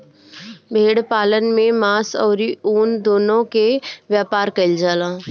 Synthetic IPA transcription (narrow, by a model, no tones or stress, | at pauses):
bʱeːɽpaːlənmẽmaːsɔːɾiuːnd̪oːnõkeʋjaːpaːɾkɐɪld͡ʒaːlãː